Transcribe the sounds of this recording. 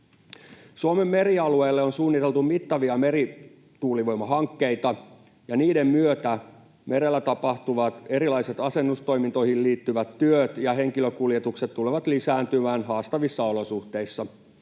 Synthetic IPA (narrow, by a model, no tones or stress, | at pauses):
suomemːe̞ɾiɑlue̞ːlːeonsuːnːit̪e̞lt̪umit̪ːɑʋiɑme̞ɾi | t̪uːliʋo̞jmɑɦɑŋkːe̞it̪ɑ | jɑniːde̞mmyøt̪æ | me̞ɾelːæt̪ɑpɑht̪uʋɑt̪e̞ɾilɑjset̪ɑse̞nːust̪o̞jmint̪o̞jhilliːt̪ːyʋæt̪tyøt̪jɑɦe̞ŋkiløkuljet̪ukset̪tːuleʋɑt̪lisæːnt̪ymæːnɦɑːst̪ɑʋisːɑo̞lo̞suht̪e̞isːɑ